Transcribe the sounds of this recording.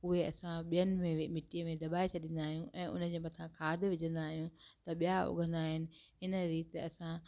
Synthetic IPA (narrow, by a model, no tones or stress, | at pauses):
ʊɦeɐ̰sãɓijənɪ̆mẽmɪʈijəmẽd̪ɐbaːet͡ɕʰɐɗĩnd̪aːɦijũʔɛ̃ːʊ̰nəd͡ʑeːmɐt̪ʰãkʰaːd̪ʱʋɪd͡ʑə̃nd̪aːɦijũt̪ɐɓijaʊ̰ɡʱə̃nd̪aːɦɪnɪ̆ɦɪnə̆ɾiːt̪eɐsã